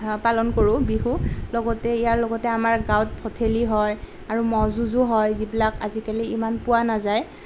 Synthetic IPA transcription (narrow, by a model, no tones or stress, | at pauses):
palɔnkoɹʊ̃biɦulɔɡɔtɛijaɹlɔɡɔtɛamaɹɡawt̚pʰɔtʰeliɦɔj | aɹumɔzuzuɦɔjzibilakazikaliimanpʊwanazaj